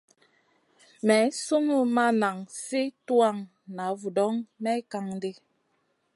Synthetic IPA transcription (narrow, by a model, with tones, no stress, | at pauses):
mɛ˨˦su˦ŋu˦ma˦na˨ŋsi˦twa˦˨ŋ | na˨˦vu˨dɔ˦ŋmɛ˦ka˨ŋ˦di˦